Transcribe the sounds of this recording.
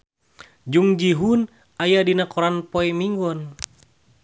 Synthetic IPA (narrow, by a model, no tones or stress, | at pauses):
d͡ʒuŋd͡ʒiɦun | ajadinakɔɾanpɔɛmiŋɡɔn